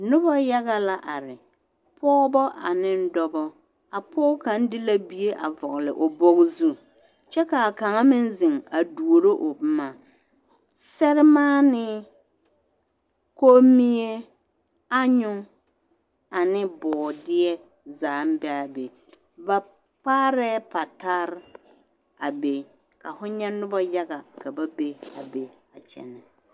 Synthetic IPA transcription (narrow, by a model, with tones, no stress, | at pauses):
nʊ˦bɔ˦ja˦ɣa˦la˦ʔa˨ɾɪ˨ | pʰɔː˦bɔ˦ʔa˨nɪ˦n̩˦dɔ˦bɔ˦ | a˨pʰɔː˦ka˨˦n˦dɪ˦la˦bi˦e˦ʔa̰˨vɔ˨ɣlɪ˨ʔʊ˨bɔ˦ɣzu˦ | t͡ʃɛ˦ka˨a˨ka˨ŋa˦mɪ˦n˦zɪ˨ŋa˨du˨o˨ɾo˦ʔʊ˨bɪ˦maː˨ | sɛ˦ɾɪ˦maː˦nɪ˦ | ko˦mi˦e˦ | a˦ɲʊ˦ŋ | a˨nɪ˦bɔː˨dɪ˦ɛ˦ | zaː˨˦m˦bɛ˦a˨be˨ | ba˨ | k͡paː˦ɾɛ˦pa˨ta˦ɾɪ˦ | a˨be˦ | ka˨fʊ˦ɲɛ˦nʊ˦ba˦ja˦ɡa˨ka˨ba˦be˦a˨be˦ | a˨t͡ʃɛ̰˨nɛ˨